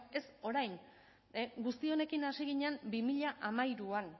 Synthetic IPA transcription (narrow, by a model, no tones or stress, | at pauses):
e̞so̞ɾajn | ɡust̪io̞ne̞kinasiɣ̞iɲambimiʎaʔamajɾuan